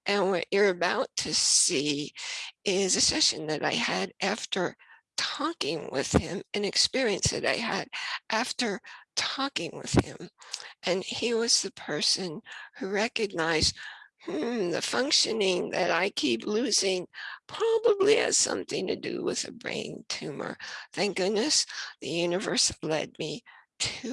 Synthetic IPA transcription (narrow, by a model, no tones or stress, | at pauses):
ʔɨ̃nwʌ̰t͡ʃə˞ɨbaʊtʰɨsi | ʔɪzɨsɛʃɨ̃nðɨɾʔa̰ɪɨɾʔæftə˞tʰɔkɪ̃ŋwɪ̰ð̥ɪ̃mɨ̃nɨkspɪɹiɨ̃nsðɨ̰ɾa̰ɪɨɾʔæftə˞tʰɔkɪ̃ŋwɪ̰ð̥hɪ̰̃mʔɨ̃niwʌz̥ðɨpʰɜ˞sɨ̃nhuɹɛkɨɡ̚naɪzdm̥m̩ðɨ̰fʌ̃ŋkʃɨnɪ̃ŋðɨ̰ɾaɪkʰiplʉzɪ̃ŋpʰɹ̥ɑbəbliɨ̰z̥sʌ̰̃mθɪ̃ŋtɨ̰dɨ̰wɪ̰ð̥ɨ̰bɹḛ̃ɪ̃ntʰʉmə̰˞θæ̃ŋk̚ɡ̥ʊdⁿnɨsðɨ̰jʉnɨvɜ̰˞slɛ̰d̚miɾʰʉ